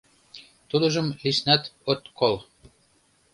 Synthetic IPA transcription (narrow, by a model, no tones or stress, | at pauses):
t̪ud̪ə̆ʒə̆mliʃnæt̪ot̪kʰol